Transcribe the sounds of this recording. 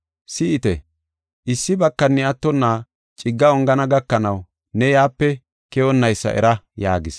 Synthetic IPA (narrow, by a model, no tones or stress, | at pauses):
sɪɪt̪ɛ | ʔɪsːɪbɐkːɐnːɪɐt̪ːɔnːaː | t͡ʃʼɪɡːɐɔŋɡɐnɐɡɐkːɐnɐw | nɛjaːpːɛ | kɛɔnːɐjsːɐ̰ʔɛ̰ɾɐjaːɡɪs